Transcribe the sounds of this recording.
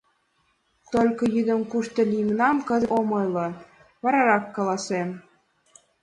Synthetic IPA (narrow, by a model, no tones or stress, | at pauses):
t̪olʲkɤ̆jyd̪ə̆mkuʃt̪ɤ̆lʲijmnɑmkə̆zɤ̆omɤjlˠɤ̆ | βɑɾɑɾɑkːɑlɑsem